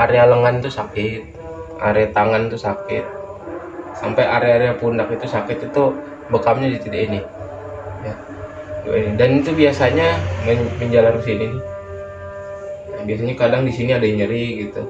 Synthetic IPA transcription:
aɾealəŋant̪usakɪt̪̚ | a̰ɾeat̪aŋant̪usakɪt̪̚ | sampajʔaɾeaɾeapunakit̪usakɪt̪it̪u | bəkamɲadit̪idainɪ | ja | a̰inidanit̪ubiasaɲaməməɲd͡ʒalankəsininɪ | biasaɲakadaŋdisiniadaɲəɾiɡit̪u

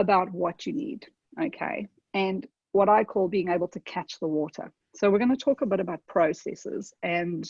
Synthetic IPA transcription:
əbaʊt̚wʌt͡ʃɨnḭːd | əʊkʰḛɪ | ɨ̃n | wʌɾaɪkʰɔlˠbiːɪ̃ŋeɪbəlˠtʰəkʰæt͡ʃðəwɔˑɾə̰ | soʊwɪɹɡʌnətʰɔˑkəbɪɾəbaʊt̚pʰɹ̥əʊsɛ̰sɪ̰z̥ɨ̃n

